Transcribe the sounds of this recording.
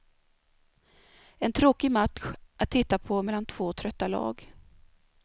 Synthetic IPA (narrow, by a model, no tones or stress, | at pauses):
ɛnt̪ʰɾoːkɪmat̪ɧʔat̪ʰːɪt̪ːapʰɔmɛlːant̪ʰv̥oːt̪ʰɾœt̪ːalɑ̰ːɡ